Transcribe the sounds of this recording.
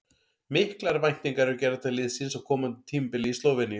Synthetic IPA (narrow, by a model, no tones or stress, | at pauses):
mɪhklaɾvajn̥t̪niŋkaɾɛɛɾcɛːɾat̪ʰalɪðsinsakʰɔːmant̪ɪ̥t̪ʰiːmpɪlist̪oːwvɪnːɪ